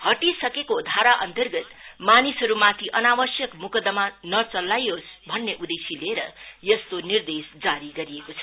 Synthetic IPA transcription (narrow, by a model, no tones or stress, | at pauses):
hʌʈisʌkekod̪ʱaɾaʔʌnt̪ʌrɡʌt̪manisɦʌɾumat̪ʰiʔʌnawʌsjʌkmukʌd̪ʌmanʌt͡sʌlːajosbʱʌnːeʔud̪esileɾʌjʌst̪onird̪esd͡zaɾiɡʌɾijekot͡sʰʌ̥